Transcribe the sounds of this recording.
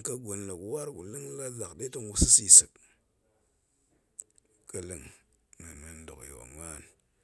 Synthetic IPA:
ka˦ɡo˨nla˨ku˨wa˦ɾkṵ˨li˦ŋ˦la˦za˨kɗe˦to˦ŋwu˦si˦si˦˨sɨ˨k̚ | kə˨li˦ŋ | mḭ˨mi˨n˦do̰˨kjo̰˨ma˦˨n

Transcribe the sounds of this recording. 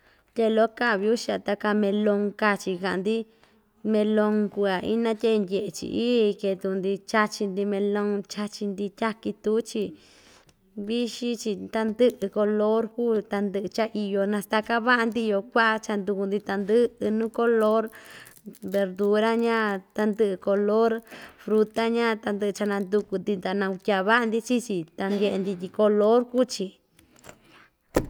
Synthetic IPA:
t̪ʲe˧lo˦ka˦˨βi˧u˦ʃi˧a˧t̪a˧ka˧mẽ˧lo˧ŋka˧t͡ʃi˧ka˨ʔa˨nd̪i˦ | mẽ˧lõ˧ŋku˧a˨ʔḭ˦nã˦t̪ʲe˦˧ndʲe˨ʔe˨t͡ʃḭ˧ʔi˦˧ke˧t̪u˧nd̪i˧t͡ʃa˧t͡ʃi˧nd̪i˧mẽ˧lõ˧ŋt͡ʃa˧t͡ʃi˧nd̪i˧t̪ʲa˦ki˧t̪u˦t͡ʃi˧ | βi˦ʃi˦t͡ʃi˧t̪a˧nd̪ɨ˦ʔɨ˧ko˧lo˦ɾkuː˦˨t̪a˧nd̪ɨ˧ʔɨ˧t͡ʃa˦ʔi˧jo˧nã˧st̪a˧ka˦βa˦ʔa˧nd̪i˦˧jo˧kʷa˦ʔa˧t͡ʃa˧nd̪u˧ku˧nd̪i˧t̪a˧nd̪ɨ˦ɨ˧nũː˦ko˦lo˦ɾ | βe˧ɾd̪u˧ɾa˦ɲã˦t̪a˧nd̪ɨ˦˧ʔɨ˧ko˧lo˦ɾfɾu˧t̪a˦ɲã˦t̪a˧nd̪ɨ˧ʔɨ˧t͡ʃa˧nã˧nd̪u˧ku˧nd̪i˧nd̪a˨˧nã˧u˧kʲa˧βa˦ʔa˧nd̪i˧t͡ʃi˦t͡ʃi˧t̪a˧nd̪ʲe˧ʔe˧nd̪i˧t̪i˧ko˧lo˦ɾku˦t͡ʃi˧

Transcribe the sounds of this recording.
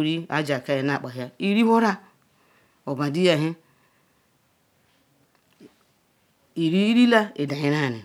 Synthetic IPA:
ɾi˦a̰˦d͡ʒa˨ka˦je˨na˨k͡pa˨ɦja˦i˦ɾi˦ho˦ɾa˦ | o˨ba˨di˦ja˨ɦi˦˨ | ɾi˦ɾi˦la˦e˨da˨ɲi˨ɾa˦˨ni˨

